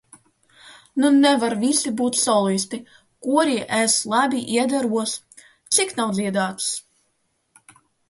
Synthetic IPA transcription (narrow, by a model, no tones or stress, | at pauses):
nunɛvaɾvisibuːt̪sɔlˠis̬t̪i | kuɔɾiːʔeslˠabʲiʔiɛd̪aɾuɔs | t̪siknawd̪zʲiɛd̪aːt̪s